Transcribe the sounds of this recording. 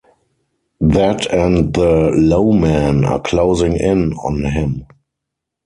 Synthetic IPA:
ðætʰɛ̃ndðəloʊmæ̃na̰kʰloʊzɪ̃ŋɪ̃nɔ̰̃nɦɪ̃m

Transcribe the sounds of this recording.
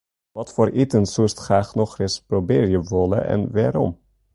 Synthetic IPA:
ʋɑtfoːɾʔitənsustχraːχnɔχrɪsprobɪːɾjəʋɔlə̰ʔɛ̰nʋaːɾɔ̰m

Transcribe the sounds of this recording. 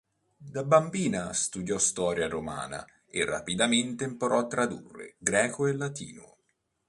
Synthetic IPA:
d̪abambiːnast̪ud̪jɔst̪ɔːɾjaɾoma̰ːna̰ | erːa̰pid̪ament̪empoɾɔt̪ːɾad̪ṵrːḛɡɾɛːkoelːat̪ḭːno̰

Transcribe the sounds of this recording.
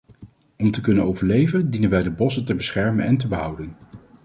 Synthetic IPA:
ɔmtəkɵnənowvəɹlejvəndinənʋɛjdəbɔsətəbəsχɛɹmənɛntəbəɦʌwdən

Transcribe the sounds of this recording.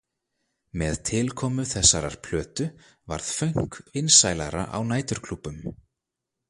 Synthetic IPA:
mɛðt̪ʰɪlkʰɔːmʏθɛsːaɾaɾ̥pʰl̥œːt̪ʏ | va̰ɾð̥fœɥŋ̥kɪnsaːjlaɾa̰ʔa̰wnaːjt̪ʏɾ̥kʰlupːʏm

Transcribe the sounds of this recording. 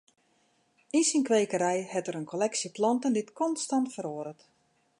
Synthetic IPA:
insinkʋejkəɾɛjhɛtəɾənkʰolɛksiplɔntənditkɔnstɑntfəɾoːɾət

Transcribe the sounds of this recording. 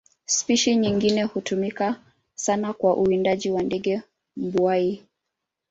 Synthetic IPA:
spiʃiɲiŋɡinɛhutumika | sanakwaʔuindaʄiwandɛɡɛ | m̩bwai

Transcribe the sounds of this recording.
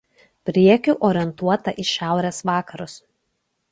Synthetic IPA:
pʲɾʲiɛkʲʊˑʔɔːɾʲɪɛnt̪uɔt̪ɐʔɪʃʲæˑʊɾʲeːsʋɑːkɐɾʊs

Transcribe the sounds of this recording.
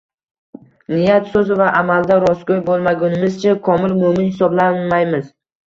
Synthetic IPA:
nɪjat̪sɵzɪvaʔamald̪aɾɒskʲojbolˠmaɡʲʊnɪmɪzt͡ʃʰakʰɒmɪlmʊmɪnhɪsɒblanmajmɪz

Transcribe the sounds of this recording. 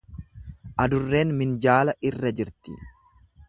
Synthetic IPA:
ʔɐd̪ʊrːe̞ːnmɪnd͡ʒaːlɐʔɪrːɐd͡ʒɪɾt̪ɪ̰

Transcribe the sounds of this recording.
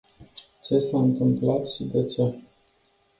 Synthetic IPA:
t͡ʃe̞saɨnt̪ɨmplat̪ʃid̪e̞t͡ʃe̞

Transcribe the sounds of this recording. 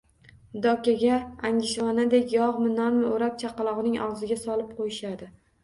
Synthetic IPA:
d̪ɒkʲaɡʲaaŋɡʲɪʃvɒnad̪e̞kʲjɒʁmɪnɒɾmɪoɾap̚t͡ʃʰaqɑlˠɒʁnɪŋɒ̰ʁzɪɡʲasɒlˠɪp̚qʰojɪʃad̪ɪ

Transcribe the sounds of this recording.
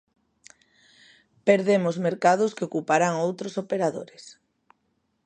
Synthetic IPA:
peɾðemʊzmeɾkað̞ʊskeokupaɾaŋowt̪ɾosopeɾaðo̰ɾɪs

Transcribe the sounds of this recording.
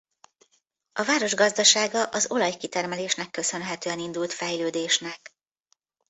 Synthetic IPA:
ɒvaːɾo̞ʒɡɒzd̪ɒʃaːɡɒʔɒzo̞lɒjkit̪ɛrmɛleːʃnɛkːø̞sø̞nɦɛt̪øːɛnind̪ult̪fɛjløːd̪eːʃnɛk

